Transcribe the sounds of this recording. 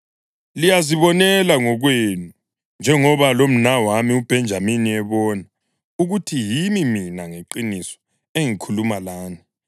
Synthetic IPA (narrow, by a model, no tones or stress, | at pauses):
lijaziβɔnɛlaŋɔɣwenu | nd͡ʒʱɛŋɔβalom̩nawamiub̥ʱɛnd͡ʒʱaminiɛβɔːna | uɣutʰijimiminaŋeǃinisɔ̥ | eŋikʰulumalaːni